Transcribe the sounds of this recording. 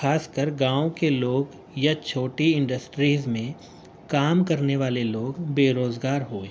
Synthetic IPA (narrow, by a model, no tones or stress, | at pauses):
xaːskəɾɡãːõkeloːɡ | jat͡ʃʰoːʈiɪ̃ɳɖəsʈɾiːzmẽ | kaːmkɐɾneʋaːleloːɡbeːɾoːzɡaːɾɦoːẽː